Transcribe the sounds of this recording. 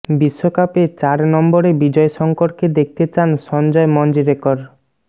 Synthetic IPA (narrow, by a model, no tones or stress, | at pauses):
biʃːokapet͡ɕaɾnɔmboɾebid͡ʑɔeʃɔŋkoɾked̪ek̚ʰt̪et͡ɕanʃɔnd͡ʑɔemɔnd͡ʑiɾekoɾ